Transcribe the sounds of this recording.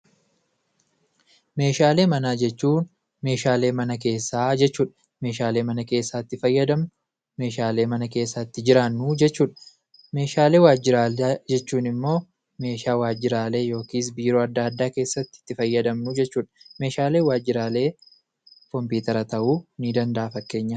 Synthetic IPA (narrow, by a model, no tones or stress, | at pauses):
me̞ːʃaːle̞ːmɐnaːd͡ʒɛt͡ʃːuːn | me̞ːʃaːle̞ːmɐnɐke̞ːsːaːd͡ʒɛt͡ʃːuːᶑɐ̥ | me̞ːʃaːle̞ːmɐnɐke̞ːsːaːɪt̪ːɪfɐjːɐd̪ɐm | me̞ːʃaːle̞ːmɐnɐke̞ːsːaːɪt̪ːɪd͡ʒɪɾaːnːud͡ʒɛt͡ʃːuːᶑɐ | me̞ːʃaːle̞ːwaːd͡ʒːɪɾaːld͡ʒɛt͡ʃːuːnɪmːo̞ː | me̞ːʃaːwaːd͡ʒːɪɾaːle̞ːjo̞ːkiːs̬biːɾoːɐd̪ːaːɐd̪ːaːke̞ːsːɐt̪ːɪ̥ɪ̥t̪ːɪfɐjːɐd̪ɐmnʊd͡ʒɛt͡ʃːuːᶑɐ̥me̞ːʃaːle̞ːwaːd͡ʒːɪɾaːle̞ː | kɔmpuːt̪ɐɾɐt̪ɐʔuːniːd̪ɐnd̪ɐʔafɐkːe̞ːɲːɐ